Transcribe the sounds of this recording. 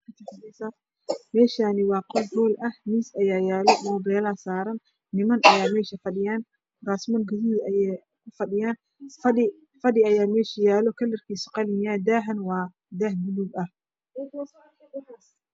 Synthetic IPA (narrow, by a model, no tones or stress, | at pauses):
kʰɐt̪ʰɐfɐnɛsa | mɛːʃaːnɪwɑːqɔlbɔːlʔɐhmiːsɐjaːjaːlɔmɔːbɛːlasaːɾɐnː | ɪmɐnɐjaːmɛːʃɐfɐɗɪjaːn | raːsmɔnɡɐðiʔɐjɛ | kʰʊfɐɗɪjaːn | fɐɗɪ | fɐɗɪɐjaːmɛːʃɪjaːlɔkʰɐlɐrkʰiːsɔ̥qɑlɪmjaːd̪aːɦɐnwɑː | d̪aːhb̪ʊluːɡɐh